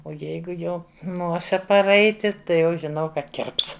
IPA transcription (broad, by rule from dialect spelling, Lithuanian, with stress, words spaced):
oː ˈjɛɪɡʊ ˈjɛʊ ˈnoːsʲɪ pɐˈrɐɪtʲɪ ˈtɐɪ jɛʊ ʒʲɪˈnɐʊ ˈkɐt ˈkʲɪrps